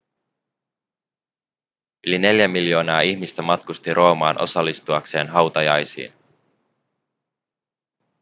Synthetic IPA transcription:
yline̞ljæmiljo̞ːnɑːiçmist̪æmɑt̪kust̪iɾʔo̞ːmɑːnʔo̞̰sɑlːist̪uɑkse̞ːnɦɑwt̪ɑjɑjsḭːn

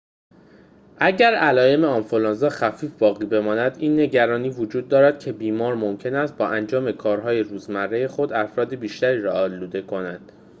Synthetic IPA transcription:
ʔæɟæɾælɒːje̞me̞ɒnfolɒnzɒːxæfiːfbɒːɣiːbe̞mɒːnæd̪iːnːe̞ɟæɾɒːniːvod͡ʒuːd̪̚ːɒːɾæd̪̥̚cʰe̞biːmɒːɾmo̞mcʰe̞næst̪̚bɒːʔænd͡ʒɒːme̞kʰɒːɾɦɒːje̞ɾuːzmærːe̞jexo̞d̪æfɾɒːd̪ebiːʃt̪æɾiːɾɒɒːluːd̪e̞kʰo̞nænd̪̥

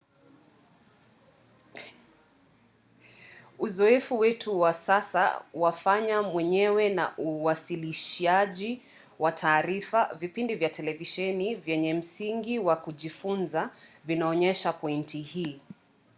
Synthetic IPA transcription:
uzɔɛfuwɛtʰuwasasa̰wafaɲamwɛɲɛwɛna̰ʔuwasiliʃiaʄi | watʰaːɾifavipindivjatɛlɛviʃɛnivjɛɲɛm̩siŋɡiwakuʄifunzavinaɔɲɛʃapɔintʰihiː

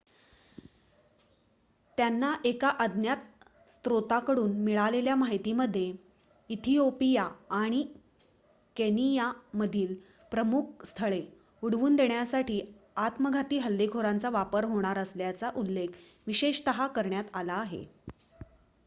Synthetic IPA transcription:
t̪janːaʔekaʔəd̪ʱnjat̪̚ | st̪ɾot̪akəɽuːnmiɭaleljamaɦit̪iːməd̪ʱːje | it̪ʰiopijaːɽ̃i | kenijaməd̪ʱiːl | pɾəmuk̚ʰst̪ʰəɭe | uɽʋuːnd̪eɳjasaʈiːat̪məɡʱat̪iːɦəlːeɡʱoɾãnt͡saʋapəɾɦoɽ̃aɾəsljat͡saʔulːekʰ | ʋiɕeɕt̪əɦakəɾɳjat̪alaːɦḛ

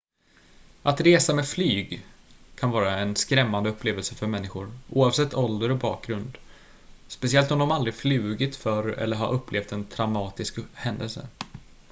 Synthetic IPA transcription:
ʔat̪ɾeːsamɛdflyːɡkʰanvɑːɾaɛnskɾɛmːand̪əɵpːleːvəlsəfœɾmɛnːɪɧʊɾʔṵːavsɛt̪ʰːɔld̪əɾɔbɑ̰ːk̚ɡɾɵnd̪ | spɛsɪɛlt̪ɔmd̪ɔmald̪ɾɪflyːɡɪt̪fœɾɛ̰lːəɾɦa̰ɾʔɵpːleːft̪ɛnt̪ʰɾamɑːt̪ɪskhɛnd̪əlsə̰

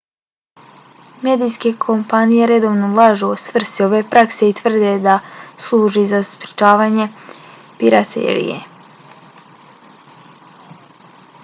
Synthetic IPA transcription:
me̞d̪ijske̞kʰo̞mpanije̞ɾe̞d̪o̞ʋnolˠaʒeosvr̩st̪io̞ʋe̞pɾakse̞it̪ʋr̩d̪ed̪aslˠuːʒizaspɾi̥t͡ʃaːʋaɲe̞ | piɾat̪ʰḛɾḭjḛ

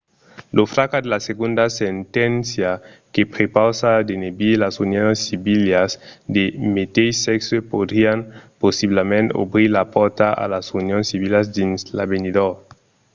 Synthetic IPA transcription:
lofɾakad̪elaseɣund̪asent̪ɛnsja | kepɾepawsad̪enebilasunjonsːiβiljazd̪emet̪ejseksepod̪ɾianposiβlamẽno̰bɾiɾlapɔɾt̪aʔa̰lasunjonsiβilazd̪inslaβeniðo

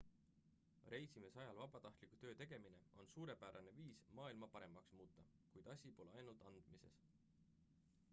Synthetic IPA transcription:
re̞jsimisɑjɑlvɑb̥ɑt̪ɑht̪likut̪ø̞ːt̪e̞ɡ̥e̞mine̞o̞nsuːɾe̞pæːɾʔɑne̞viːsmɑːilmɑpɑɾe̞mɑksmuːt̪ːˑɑkujd̪̥ɑsʲipo̞leɑjnult̪ˑɑnd̪̥mise̞̰s

